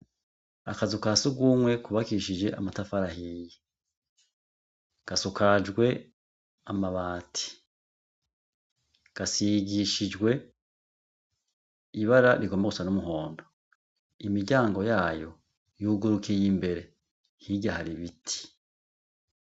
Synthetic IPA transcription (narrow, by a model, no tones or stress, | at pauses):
akazukasuɡuːmwe̞kuβakiʃid͡ʒe̞ʔa̰matafaɾahije | ɡ̥asukʰad͡ʒɡwe̞ | amaβaːtʰi̥ | ɡ̥asiɡiʃid͡ʒɡwe̞ | iβaɾaɾiɡo̞maɡusanumuɦo̞ːndo | imiɾɟaːŋɡo̞jaːjo | juːɡuɾukʰijimbe̞ɾe̞ | hiɟahaɾiβitʰi̥